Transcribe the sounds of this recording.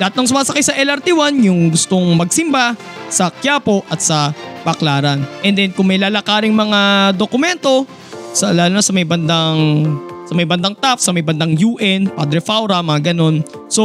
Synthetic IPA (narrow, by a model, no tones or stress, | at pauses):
lɐhat̪nɐŋsʊmaːsɐkajsɐʔɛlɐɾt̪iwanjʊŋɡʊst̪oŋmɐɡ̚sɪmbasɐkjaːpo̞ʔɐt̪̚sɐbɐklaːɾɐnʔɛnd̪ɛnkʊŋmɐjlaːlɐkaːɾɪŋmɐŋad̪okʊmɛnt̪o̞ | sɐlaːlunɐsɐmɐjbɐnd̪aŋsɐmɐjbɐnd̪aŋt̪afsɐmɐjbɐnd̪ɐŋjuːʔɛnpa̰d̪ɾɛfawɾɐmɐŋaɡɐno̞n | so